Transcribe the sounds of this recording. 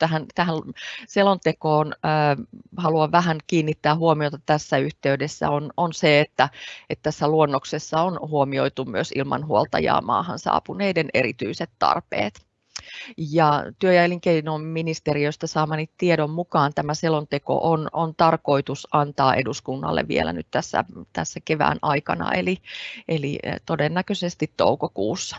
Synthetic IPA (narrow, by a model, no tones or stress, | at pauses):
t̪æɦænt̪æɦænselont̪ekoːnː | hɑluɑʋʋæɦænkiːnːit̪ːæːɦuomiot̪ɑt̪æsːæyht̪eydesːæ̰ononseet̪ːæet̪t̪ːæsːæluonːoksesːɑonhuomioit̪umyøsilmɑ̰nhuolt̪ɑ̰jɑ̰ːmɑ̰ːhɑ̰nsɑ̰ːpuneidenḛɾḭt̪y̰iset̪t̪ɑ̰rpḛːt̪ | jɑt̪yøjæjliŋkeinomminist̪eriøst̪ɑsɑːmɑniːt̪t̪ieɾommukɑːnt̪æmæselont̪eko̰ʔonont̪ɑrko̞it̪usɑnt̪ɑːʔeduskunːɑ̰lːḛʋʋḭelæ̰ny̰t̪t̪æsːæ̰t̪æ̰sːækeʋæ̰ːnɑikɑ̰nɑ̰eliʔelit̪odenːækøsest̪it̪t̪o̰ukokuːsːɑ̥